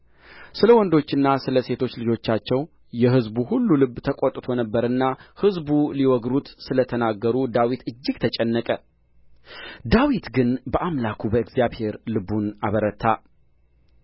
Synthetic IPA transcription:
sɨləwɔnd̪o̞t͡ʃːɨnːasɨləse̞t̪ʰo̞t͡ʃːlɨd͡ʒo̞t͡ʃːat͡ʃːɛw | jɛɦɨzbuhulːulɨbːt̪ʰəkʼot̪ʼːt̪ʰo̞nəbːəɾɨnːahɨzbuliwɔɡɾut̪sɨlət̪ʰənaɡːəɾud̪awit̪ɨd͡ʒːɪɡt̪ʰət͡ʃʼɛnːəkʼə | d̪awit̪ɡɨnbəʔamlakʰubəɨɡzjaβhe̞ɾlɨbuna̰βəɾət̪ʰːa

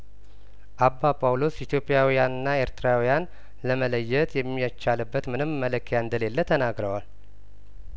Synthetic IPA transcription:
ʔabːapʰʼawlo̞sit̪ʰjo̞pʼːijawijanɨnːae̞ɾt̪ʰɨɾawijan | ləmələjːɛt̪ʰjɛmːijat͡ʃːalɨbːət̪mɨnɨmːələkʰːəjaɨnd̪əle̞lːət̪ʰənaɡɾəwal

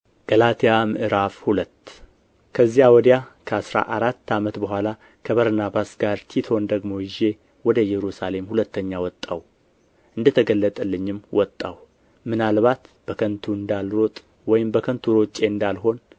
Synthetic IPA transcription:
ɡ̥əlat̪ʰijamɨʔɨɾafhulət̪ː | kʰəzːijawɔd̪jakʰəasɾa̰ʔaɾat̪ːamət̪bəɦʷala | kʰəβəɾnabasɡaɾt̪ʰit̪ʰo̞nd̪əɡmo̞jɪʒe̞ | wɔd̪əjɛɾusale̞mhulət̪ʰːəɲːawɔt̪ʼːaw | ʔɨnd̪ət̪ʰəɡəlːət̪ʼəlːɨɲːɪmːwɔt̪ʼːa̰w | mɨnalβat̪b̥əkʰənt̪ʰuɨnd̪alɾo̞t̪ʼ | wɔjɪmbəkʰənt̪ʰuɾo̞t͡ʃʼːe̞ɨnd̪alɦo̞n

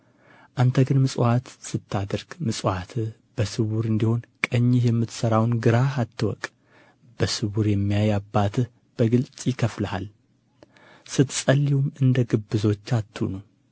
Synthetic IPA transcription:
ʔant̪ʰəɡɨnmɨsʼat̪sɨt̪ʰːad̪əɾɡ̥mɨsʼat̪ʰɨ | b̥əsɨwuɾɨnd̪iho̞nkʼəɲːɪhjɛmːɨt̪səɾawnɡɨɾahat̪ʰːɨwɔ̰kʼ | b̥əsɨwuɾjɛmːijajabːat̪ʰɨh | b̥əɡɨlt͡sʼjɪkʰəfləha̰l | sɨt̪sʼəlːiwumɨnd̪əɡɨbːɨzo̞t͡ʃːat̪ʰːunəw

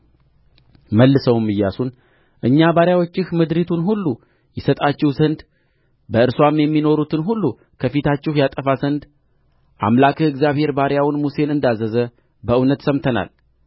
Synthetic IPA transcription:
məlːɨsəwmːɨjːasun | ʔɨɲːabaɾjawo̞t͡ʃːɪhmɨd̪ɾit̪ʰunɦulːu | jɛsət̪ʼat͡ʃːɛhzənd̪ | bəɨɾswamjɛmːino̞ɾut̪ʰɨnɦulːu | kʰəfit̪ʰat͡ʃːɪhjat̪ʼəfazənd̪ | ʔa̰mlakʰɨɨɡzjaβhe̞ɾbaɾjawnmuse̞nɨnd̪azəzə | bəʔɨwnət̪səmt̪ʰəna̰l

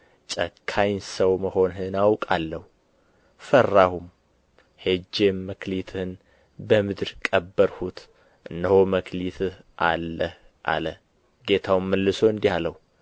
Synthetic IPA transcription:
t͡ʃʼəkʰːajnsəwməho̞nɦɨnawkʼalːəhu | fərːahum | hed͡ʒːe̞mːəkʰlit̪ʰhɨn | bəmɨd̪ɾkʼəbːəɾhut̪ʰ | ʔɨnːəhoməkʰlit̪ʰɨh | ʔa̰lːəh | ʔa̰lə | ɡe̞t̪ʰawmːəlːɨsoɨnd̪ihaləhu

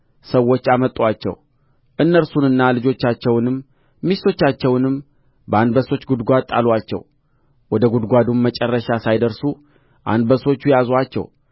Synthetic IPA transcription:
səwːo̞t͡ʃːamət̪ʼːwat͡ʃːɛ̰w | ʔɨnːəɾsunɨnːalɨd͡ʒo̞t͡ʃːat͡ʃːɛwnɨmː | ist̪ʰo̞t͡ʃːat͡ʃːɛwnɨm | bəanbəso̞t͡ʃːɡud̪ɡʷat̪ʼːa̰lwat͡ʃːɛ̰w | wɔd̪əɡud̪ɡʷad̪umːət͡ʃʼɛrːəʃasajd̪əɾsu | ʔa̰nbəso̞t͡ʃːujazwat͡ʃːɛ̰w

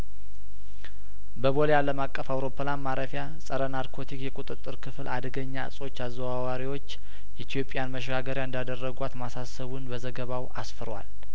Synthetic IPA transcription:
bəβo̞lejaləmakʼːəfawɾo̞pʰːəlanmaɾəfja | sʼəɾənaɾkʰo̞t̪ʰikjɛkʼut̪ʼɨt̪ʼːɨɾkʰɨfɨlʔa̰d̪əɡəɲːa̰sʼo̞t͡ʃːazːəwawaɾiwo̞t͡ʃː | ʔit̪ʰjo̞pʼːjanməʃɡaɡəɾjaɨnd̪ad̪ərːəɡʷat̪masasəβunbəzəɡəβawasfəɾwa̰l

